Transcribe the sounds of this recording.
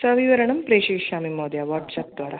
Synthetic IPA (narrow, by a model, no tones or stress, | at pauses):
sɐʋiʋɐɾɐɳɐmpɾeːʃeːʃɕaːmimoːd̪jaʋaːʈsap̚d̪ʋaːɾa